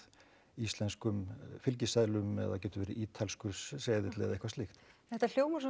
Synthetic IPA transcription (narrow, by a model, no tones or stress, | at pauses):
ist̪lɛnskʏmfɪlc̬ɪsaðlʏmɛ̰ða̰cɛːt̪ʏvɛːɾɪʔiːt̪ʰalskʏɾssɛːjðɪt̪lɛ̰ɣðejhkvast̪ɪxt̪nɛt̪ːal̥joːwmʏs